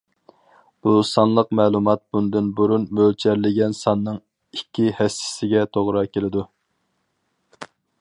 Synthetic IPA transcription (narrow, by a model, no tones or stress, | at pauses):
b̥usɑnlˠəqmɛːlˠumɑt̪̚b̥und̪ɨnbuɾunmølt͡ʃʰæɾlɪɡʲɛnsɑnːɨŋ | ikʲːihɛsɪ̥sɪɡʲɛt̪ʰoʁɾɑkʲelɪd̪u